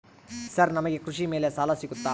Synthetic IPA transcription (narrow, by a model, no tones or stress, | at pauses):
sɐɾnɐmɐɡe̞kɾuʂimeːle̞saːlɐsiɡut̪ːaː